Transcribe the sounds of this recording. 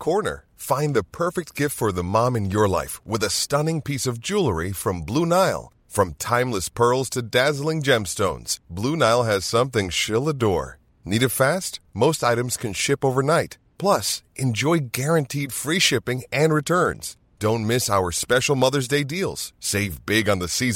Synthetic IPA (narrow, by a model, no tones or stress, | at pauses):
kʰɔɹnə̰˞ | fãɪ̃nðɨpʰɜ˞fɨk̚t̚ɡ̥ɪftfə˞ðəmɑ̃mɨ̃njə˞la̰ɪfwɨðɨstʌ̃nɪ̃ŋpʰisʌvd͡ʒulˠə˞ifɹʌ̃mblunaɪlˠ | fɹʌ̃mtʰãɪ̃mləspʰɜ˞lˠz̥tʰɨdæzl̩ˠɪ̃ŋd͡ʒɛ̃mstõʊ̃nz̥blunaɪlˠɨz̥sʌ̃mθɪ̃ŋʃɪlˠədɔ̰ɹ | niɾɨfæstmoʊstaɪɾɨ̃mz̥kʰɨ̃nʃɪpoʊvə˞naɪt̚ | pʰl̥ʌsʔɨ̃nd͡ʒɔɪɡɛɹɨ̃ntʰid̥fɹiʃɪpɪ̃ŋɨ̃nɹɨtʰɜ̃˞nz̥ | d̥õʊ̃nmɪsaʊə˞spɛʃl̩ˠmʌðə˞zdeɪdilˠz̥seɪvbɪɡə̃nðɨsiz